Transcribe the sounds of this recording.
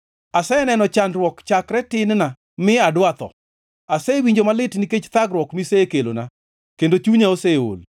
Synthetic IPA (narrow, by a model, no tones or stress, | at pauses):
asɛnɛnɔt͡ʃandɾwɔkt͡ʃakɾɛtɪnna | mɪadwat̪ɔ̰ | asɛwiɲd͡ʒomalɪtniket͡ʃt̪aɡɾwɔkmisekelo̰na | kendot͡ʃuɲaoseo̰l